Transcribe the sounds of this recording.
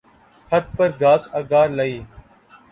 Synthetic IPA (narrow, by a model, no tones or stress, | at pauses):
kʰət̪̚pəɾɡaːsɐɡaːɾləiː